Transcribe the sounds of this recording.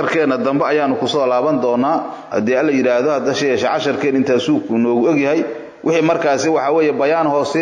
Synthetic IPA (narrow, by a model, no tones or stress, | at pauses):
ɐrkʰɛːnɐd̪ɐmbɛɐjaːnʊkʰʊsɔːlaːβɐnd̪ɔːnːaː | hɐ̰d̪ɛːɐlɐjɪɾaːhðɔhɐd̪ɐʃɐjɛːʃɛʕɑʃɐrkʰɛːnɪnt̪ʰaːsuːɡkʰʊnɔːɣʊɔɡjɐɦɛj | wʔɪħiːmɐrkʰaːsɪwɑħɑːwɛːjɛbɐjaːnhɔːsɛ